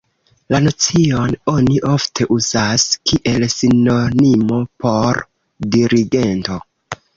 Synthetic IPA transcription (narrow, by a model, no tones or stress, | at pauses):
lanot͡sio̞no̞niʔo̞ftʰe̞ʔuzaskiʔe̞lsino̞nimo̞po̞ɾ | diɾiɡe̞nto̞